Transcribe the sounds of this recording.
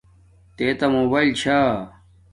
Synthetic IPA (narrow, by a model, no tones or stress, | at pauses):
t̪eːt̪ɐmoːbɐːjlt͡ɕʰa